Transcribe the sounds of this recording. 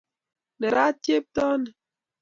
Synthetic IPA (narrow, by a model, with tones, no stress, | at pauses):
nɛ˨ɾa˦tje˦p̚tɔ˦nɛ˨